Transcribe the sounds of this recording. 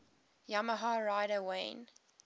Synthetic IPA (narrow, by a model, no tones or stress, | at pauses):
jaməɦɑɹaɪɾəwẽɪ̃n